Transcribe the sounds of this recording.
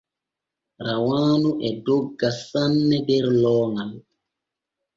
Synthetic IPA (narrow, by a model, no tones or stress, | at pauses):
ɾawaːnuʔɛdoɡːasanːɛdɛɾlɔːŋal